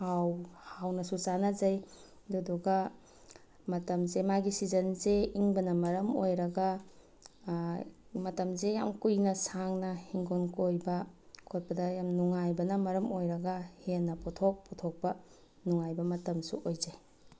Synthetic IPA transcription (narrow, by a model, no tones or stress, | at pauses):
hawhawnɐsusanɐzɐj | duduɡɐ | mɐtɐmzemaɡisizɐnzeiŋbɐnɐmɐɾɐmojɾɐɡa | mɐtɐmzejamkujnɐsaŋnɐhiŋɡonkojbɐkʰot̚pɐdɐjamnuŋajbɐnɐmɐɾɐmojɾɐɡɐhenːɐpɔtʰok̚pɔtʰok̚pɐ | nuŋajbɐmɐtɐmsṵʔojzaj